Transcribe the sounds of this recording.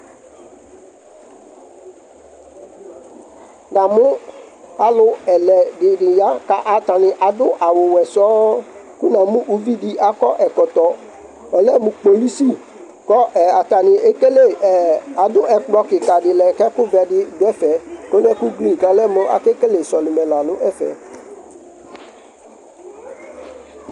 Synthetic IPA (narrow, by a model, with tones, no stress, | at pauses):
nã˨mʊ̃˦a˨lʊ˦ɛ˨lɛ˨dɪ˨ɖɪ˨ja˦ka˦ʔa˨t̪a˨nɪ̃˨ʔa˨d̪ʊ˦ʔa˨wʊ˨wɛ˨sɔ˦ku˦nã˨mũ˦ʔu˦vi˦dɪ˦ʔa˨kɔ˦ʔɛ˨kɔ˨t̪ɔ˨ | ɔ˨lɛ˦mʊ̃˨k͡po˨li˦si˦ | kɔ˦ʔɛ˨a˨t̪a˨nɪ̃˨ʔe˦ke˦le˦˨ɛ˨a˨d̪ʊ˦ɛ˨k͡plɔ˦kɪ˨ka˨dɪ˨lɛ˨kɛ˦kʊ˦vɛ˨dɪ˦dɛ˦fɛ˨ko˦nɛ̃˦ku˦ɡlĩ˦˨ka˨lɛ˦mʊ̃˦ʔa̰˨ke˦ke˦le˨sɔ˨li˨mɛ̃˨la˨nʊ̃˦ʔɛ˦fɛ̰˨